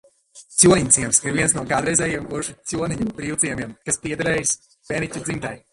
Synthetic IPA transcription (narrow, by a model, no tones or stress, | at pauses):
t̪sʲuɔniɲʲt̪sʲiɛmsiɾviɛnsnuɔkaːd̪ɾɛjzɛːjiɛmɡuɾʃit̪sʲuɔniɲubɾiːwt̪ziɛmiɛmkaspiɛd̪aɾɛːjs | pʲeːnicʲud̪zimt̪aj